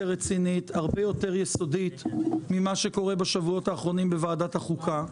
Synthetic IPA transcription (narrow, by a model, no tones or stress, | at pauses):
ʁet͡sinithaʁbe̞jo̞te̞ʁjeso̞dit̪mimaʃe̞ko̞ʁe̞baʃavuo̞taːχʁo̞nimbevaːdathaχukʰa